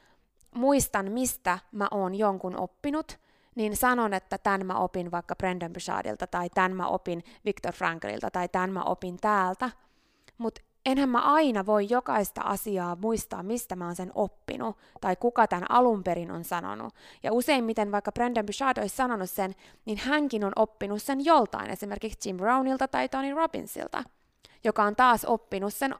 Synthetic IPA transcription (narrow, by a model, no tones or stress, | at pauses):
muist̪ɑnmist̪æmæ̰ʔoːnjoŋkunʔo̰pːinut̪ | ninsɑnonet̪ːæt̪ænmæ̰ʔopinʋɑikːɑprendembysɑ̰ːdḭlt̪ɑt̪ɑit̪ænmæ̰ʔo̰pinʋikt̪orfrɑŋkɑ̰lḭlt̪ɑt̪ɑit̪ænmæ̰ʔo̰pint̪æːlt̪æ | mut̪ | enhæmmæ̰ʔɑinɑʋoijjokɑist̪ɑ̰ʔɑ̰siɑːmuist̪ɑ̰ːmmist̪æmæːnsenopːḭnu | t̪ɑikukɑt̪ænɑ̰lumpeɾino̰nsɑno̰nṵjɑ̰use̞immit̪enʋɑikːɑb̥rendembyʃɑːd̪oissɑnonussen | ninhæŋkinonʔopːinussenjolt̪ɑ̰inʔḛsime̞rkikst͡ʃimbrownilt̪ɑt̪ɑit̪onirobḭnsḭlt̪ɑ̰ | jokɑont̪ɑːsopːinussen